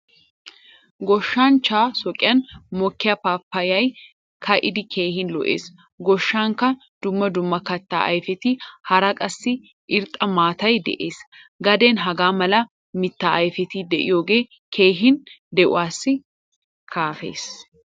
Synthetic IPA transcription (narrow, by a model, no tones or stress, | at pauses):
ɡɔʃːaːnt͡ʃaːsɔkʼɪjɐnmɔkːɪjɐpaːpːɐjɐj | kʰɐʔɪd̪ɪkʰe̞ːɦɪnlɔ̰ʔḛːs | ɡɔʃːaːŋkɐ | d̪̥ʊmːɐd̪ʊmːɐkɐt̪ːa̰ːʔɐ̰jfɛt̪ihɐɾɐkʼɐsːɪ | ʔɪɾt̪ʼɐmaːt̪ɐjd̪ɛ̰ʔeːsɡɐd̪e̞ːnɦɐɡaːmɐlɐ | mɪt̪ːaːʔɐjfɛt̪iːd̪ɛʔɪ̰joːɡe̞ː | kʰe̞ːɦɪnd̪ɛʔʊ̰waːsːɪ | kʰaːfe̞̰ːs